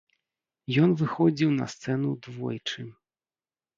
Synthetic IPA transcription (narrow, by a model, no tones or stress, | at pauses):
jɔnvɨxɔd͡zʲiwnɐ̰st̪sɛnud̪vɔ̰jt͡ʂɨ